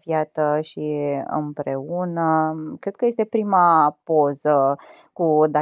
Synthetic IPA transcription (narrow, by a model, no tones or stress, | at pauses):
fjat̪əʃiɨ̰mpɾe̞unəkɾe̞d̪̥̚kəje̞s̬t̪e̞pɾimapo̞zə | kud̪a